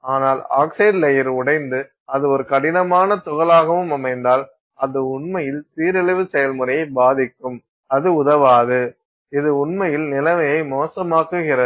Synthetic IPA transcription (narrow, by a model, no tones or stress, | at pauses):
aːnaːla̰ːksɐɪɖlɛjɐɾʊɽɐɪnd̪ɯ | ɐðɯɔɾɯkɐɽɪnɐmaːnɐt̪ʊɣɐlaːɣɐʋɯmɐmɐɪnd̪aːl | ɐðɯʊɳmɐjɪlt̪iːɾɛlɪʋɯsɛjɐlmɯɾɐjɐɪbaːðɪkːɯm | ɐðɯʊðɐʋaːðɯ | ɪðɯʊɳmɐjɪlnɪlɐmɐjɐɪmoːsɐmaːkɯɣɪrɐɯ